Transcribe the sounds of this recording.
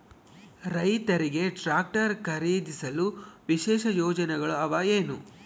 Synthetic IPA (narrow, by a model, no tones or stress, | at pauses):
ɾɐjt̪ɐɾiɡe̞ʈɾaːk̚ʈɐɾkʰɐɾiːd̪isɐluʋiʃɛːʃɐjɔːd͡ʒɐnɛɡɐɭuɐʋaeːnu